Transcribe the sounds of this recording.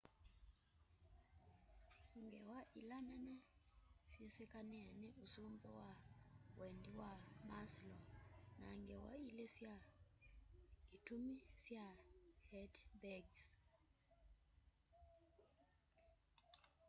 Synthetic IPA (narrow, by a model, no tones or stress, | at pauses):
ŋɡɛwaʔilananɛfjɛsɛkanɛaniʔusumbɔwawɛndiwamaslɔna̰ŋɡɛwa̰ilɛsja | itumisjahɛtbɛɡs